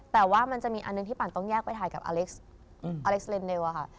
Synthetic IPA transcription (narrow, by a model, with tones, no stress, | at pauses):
t̪ɛː˨˩waː˥˩ma˧nt͡ɕa˨˩miː˧ʔa˧nːɯ˨˧ŋt̪ʰiː˥˩paː˨˩nt̪ɔ˥˩ŋjɛː˥˩k̚pa˧jt̪ʰaː˨˩jka˨˩p̚ʔa̰ː˧le˦˥k̚s | aː˧le˦˥k̚sle˧nde˧wa˨kʰa˦˥˩